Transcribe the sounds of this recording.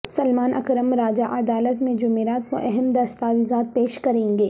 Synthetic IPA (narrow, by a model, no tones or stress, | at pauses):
sɐlmaːnʔɐkɾəmɾaːd͡ʒaʔɐd̪aːlət̪mẽd͡ʒʊmeːɾaːt̪ʋo̰ʔɛɦɛmd̪ɐst̪aːʋizaːt̪̚peːʃkɐɾẽːŋɡeː